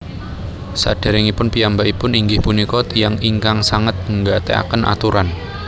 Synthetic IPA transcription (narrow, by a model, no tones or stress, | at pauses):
sa̰ɖ̥a̤ɾɪŋipʊnpijambaʔipʊniŋɡɪhpunikɔt̪ijaŋiŋkaŋsaŋət̪̚ŋɡat̪ea̰kənʔa̰t̪uɾan